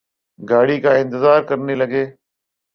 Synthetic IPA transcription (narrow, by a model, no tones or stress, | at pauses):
ɡaːɽikãːɪ̃nt̪ɪzaːɾkəɾnilɐɡeː